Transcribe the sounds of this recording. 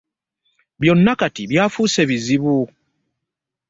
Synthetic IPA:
βjo̞nːakatiβjaːfuːse̞βiziβu

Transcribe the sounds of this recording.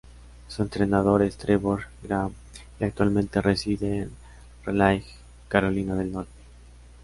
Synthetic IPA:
sue̞nt̪ɾe̞naðo̞ɾest̪ɾeβoɾɡɾam | iak̚t̪walmẽnt̪e̞resiðeːn | relajf | kaɾo̞linaðe̞lnoɾt̪e̥

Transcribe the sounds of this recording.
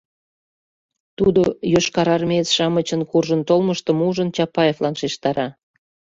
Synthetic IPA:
t̪ud̪ojøʃkɑɾɑrmʲet͡sʃɑmət͡ɕənkurʒənt̪olməʃt̪ə̆muʒənt͡ɕɑpɑjeflɑnʃeʃt̪ɑɾʔɑ

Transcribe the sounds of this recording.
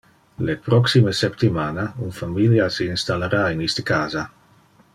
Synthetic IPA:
lepɾɔksiməsɛpt̪imaːnaunfamiljasiːnst̪aleɾainist̪əkaːza

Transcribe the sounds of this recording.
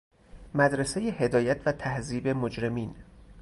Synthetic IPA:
mæd̪ɾesejehe̞d̪ɒːjæt̪ʰvæt̪ʰæhziːbemod͡ʒɾe̞miːn

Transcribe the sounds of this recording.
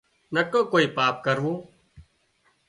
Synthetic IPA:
nəkõːkoːiːpaːp̚kəɾʋoː

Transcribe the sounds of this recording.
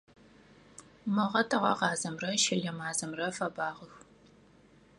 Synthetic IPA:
mɨʁɐtʰɨʁɐ̰ʁɑːzɐmrɐʃɐɮɐmaːzɐmrɐfɐbaːʁəx

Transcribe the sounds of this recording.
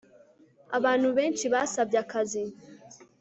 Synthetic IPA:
a̰βaːn̥huβe̞ːnʃiβaːsabjakazi

